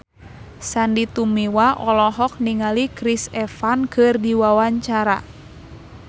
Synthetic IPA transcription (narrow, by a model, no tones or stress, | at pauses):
sandit̪umiwaʔɔlɔɦɔk̚niŋalikɾisɛfankʰɨrdiwawaɲt͡ʃaɾa̰